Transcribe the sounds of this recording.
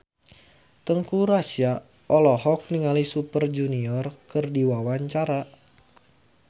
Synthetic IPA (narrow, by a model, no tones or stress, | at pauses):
t̪əŋkuɾasia | ɔlɔɦɔk̚niŋalisupərd͡ʒuniɔrkɨrdiwawaɲt͡ʃaɾa